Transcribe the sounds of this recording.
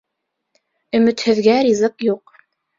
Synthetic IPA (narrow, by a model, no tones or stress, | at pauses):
ɵ̆mɘ̆t̪hɘ̆ðɡæɾʲizɤqjuq